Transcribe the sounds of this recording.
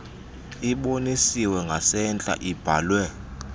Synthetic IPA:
iɓonisiwɛŋɡʱasɛnt͡ɬʼa̰ʔib̥ʱaːlwɛ

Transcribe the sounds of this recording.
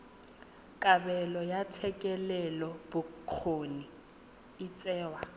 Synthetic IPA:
kʼabɛlɔjatʰɛkʼɛlɛlɔbʊk͡xʰoni | ɪt͡sʼɛːwa

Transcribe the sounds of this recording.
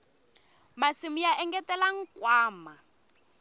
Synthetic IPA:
masimijaʔɛŋɡɛtɛlaŋ̩kwaːma

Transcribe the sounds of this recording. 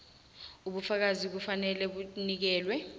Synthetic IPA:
uɓufak̬azik̬ufanɛlɛɓunik̬ɛːlwɛ

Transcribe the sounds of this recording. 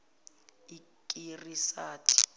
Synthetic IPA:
ikʼirisaːtʰʼi̥

